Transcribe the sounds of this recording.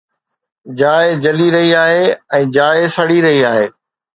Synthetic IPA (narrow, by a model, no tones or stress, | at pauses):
d͡ʑaːɪd͡ʑɐliɾɐɦiaːɦeɛ̃ːd͡ʑaːɪsɐɽiɾɐɦiaːɦeː